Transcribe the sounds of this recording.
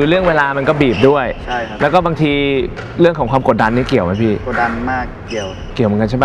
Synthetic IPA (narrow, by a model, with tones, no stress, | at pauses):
ɯː˧ɾɯ˥˩əŋweː˧laː˧ma˧nkɔː˥˩biː˨˩p̚du˥˩əjʰlɛ˦˥wkɔː˥˩baː˧ŋt̪ʰiː˧ | ɾɯ˥˩əŋkʰɔː˨˩˦ŋkʰwaː˧mko˨˩t̪̚da˧nːiː˥˩ki˨˩əwma˦˥pʰiː˥˩o˨˩t̪̚da˧nmaː˥˩kː | i˨˩əw | ki˨˩wmɯ˦nka˧t͡ɕʰa˥˩ba˧˥˩